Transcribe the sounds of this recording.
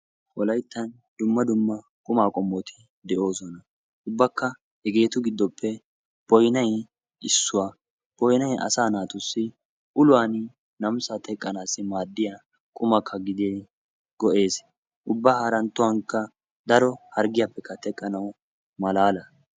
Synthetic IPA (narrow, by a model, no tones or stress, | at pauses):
ʔɔlɐjt̪ːɐn | d̪ʊmːɐd̪ʊmːɐ | kʼʊmaːkʼɔmːɔt̪ʰɪ | d̪ɛʔo̞ːsɔnɐ | ʔʊbːɐkːɐ | hɛɡe̞ːt̪ʊɡɪd̪ːɔpʰːɛ | b̥ɔjnɐj | ɪsːʊwa | b̥ɔjnɐjɐ̰saːnaːt̪ʊsːɪ | ʔʊlʊwaːn | nɐmsat̪ɛkʼːɐnaːsːɪmaːd̪ːɪja | kʼʊmɐkʰːɐɡɪd̪eː | ɡ̥ɔʔe̞ːs | ʔʊbːahɐɾɐnt̪ːʊwɐŋkːɐ | d̪ɐɾɔhɐɾɡɪjapːɛkʰːɐt̪ɛkʼːɐnɐw | mɐlaːlɐ